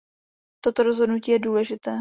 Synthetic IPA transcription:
t̪o̞t̪oɾozɦo̞dnuciːjɛduːlɛʒɪt̪ɛː

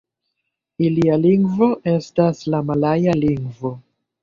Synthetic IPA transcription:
ilialiŋɡvo̞ʔe̞staslamalajaliŋɡvo̞

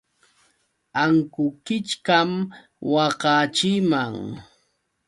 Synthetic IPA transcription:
aŋkʊkɪt͡ʃkam | wɑqɑt͡ʃɪmaŋ

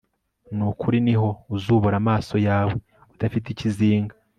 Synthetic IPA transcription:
nukuɾiniɦo̞uzuːβoɾamaːso̞jaːwe | utafit̬iciziːŋɡḁ

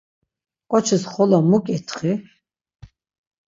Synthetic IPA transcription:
kʼɔt͡ʃʰisχɔlamukʼɛt̪ʰχi

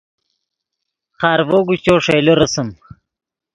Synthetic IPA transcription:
χɑːɾvoːɡut͡ɕoːʂejloɾɐsɐm

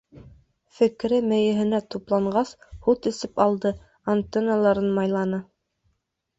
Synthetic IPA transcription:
fɘ̆kɾɘmɘ̆jɘ̆ɦɘ̆næt̪uplˠɑɴɢɑshut̪ɘ̆sɘpɑlˠd̪ɤ | ant̪enalˠɑɾɤnmɑjlˠɑnɤ

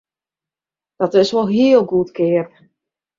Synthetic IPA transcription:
d̥ɔtɪsʋolˠɦiəlˠɡutkʰɪːəp

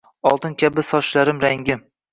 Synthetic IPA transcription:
ɒlˠt̪ɪnkʲʰabɪsɒʃlaɾɪmɾaŋɡʲɪm

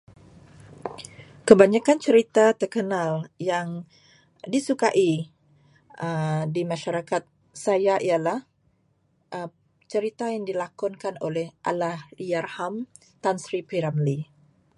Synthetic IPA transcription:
kəbaɲakant͡ʃəɾit̪at̪ərkənaljaŋ | disukaʔi | ʔədimãʃaɾakat̪̚ | sajaʔialah | ʔə | t͡ʃəɾit̪ajaŋdilakɔnkanolɛhʔa̰lahijarham | t̪ansɾipiɾamli

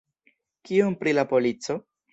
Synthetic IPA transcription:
kiompɾilapo̞lit͡so̞

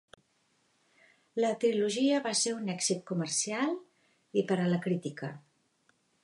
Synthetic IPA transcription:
lət̪ɾiluʒiəβaseunɛɡzit̪̚kumərsialˠ | ipəɾələkɾit̪ikə

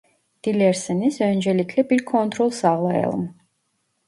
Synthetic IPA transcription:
d̪̥ilɛɾsɛnisɛnd͡ʒɛlikʰlɛpilkʰɔnt̪ʰɾɔlˠsaʁlˠaɛ̰lˠm

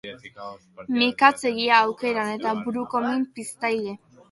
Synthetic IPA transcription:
mikat͡seɣiaːwke̞ɾane̞t̪abuɾukomimpist̪ajle

